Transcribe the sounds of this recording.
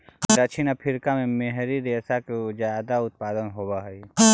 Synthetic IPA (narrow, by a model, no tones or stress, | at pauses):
d̪ət͡ʃʰinapʰɪɾkamẽmeɦɾiɾeːsaked͡ʒjaːd̪aʊt̪̚paːd̪ənɦoːbaɦi